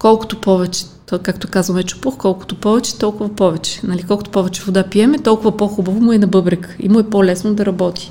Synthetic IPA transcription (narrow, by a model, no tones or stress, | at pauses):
kɔlˠkʊ̥t̪o̥pɔvɛt͡ʃɛ̥ | t̪ɔkakt̪okazvəmɛt͡ʃu̥puxkɔlˠkʊ̥t̪opɔvɛt͡ʃɛ̥t̪ɔlˠkʊvɐpɔvɛt͡ʃɛ̥nɐlikɔlˠkot̪o̥pɔvɛt͡ʃɛvod̪apiɛmɛt̪ɔlˠkʊvɐpoxubəvomʊɛnɐbɤbɾɛkə̥ḭmʊɛpɔlɛsnod̪ɐɾɐbɔt̪i̥